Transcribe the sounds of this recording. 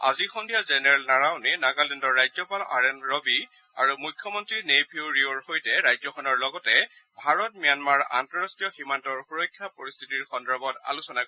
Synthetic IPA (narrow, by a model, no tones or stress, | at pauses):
a̰zixɔndijazɛnɛɹɛlnaɹaʊnenaɡalindɔɹːajzɔpala̰ɹɛnɹɔbi | aɹumujkʰːjɔmɔntɹiɹnepʰiuɹioɹxojtɛɹajzɔxɔnɔɹlɔɡɔtɛ | bʱaɹɔt̚mijanmaɹa̰ntɔɹastijɔximantɔɹxuɹɔkʰːjapɔɹist̪ʰitiɹxɔndɔɹbɔta̰lusɔna